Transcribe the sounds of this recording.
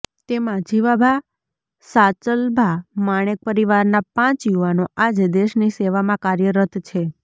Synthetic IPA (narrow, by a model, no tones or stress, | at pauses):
t̪emãd͡ʒiʋabʱa | sat͡ʃəlbʱamaɽ̃ek̚pəɾiʋaɾnapãt͡ʃjuʋanoad͡ʒd̪eʃniseʋamãkaɾjəɾət̪t͡ʃʰe